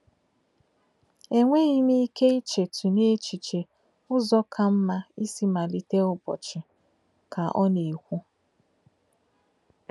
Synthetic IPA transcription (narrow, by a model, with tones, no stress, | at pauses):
e˦ŋʷe˦ɣi˦mi˦ke˦i˦t͡ʃe˨tʰu˨ne˦t͡ʃi˨t͡ʃe˨ | ʊ˦zɔ˦kʰa˦m̩˦ma˦i˦si˦ma˨li˦te˦ʊ˦bɔ̰˨t͡ʃɪ˨ | ka˨ʔɔ˦ne˨kʷu˦